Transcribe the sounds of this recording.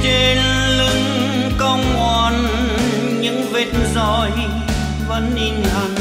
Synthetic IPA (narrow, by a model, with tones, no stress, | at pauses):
t͡ɕe˧n | lɨ˧ŋkə˧wŋ͡mŋwa˧˩n | ɲɨ̰˧˥ŋve˧˩t̚nzɔ˧˩j | və̰˧˥nʔi˧ŋʔa˨˩ŋ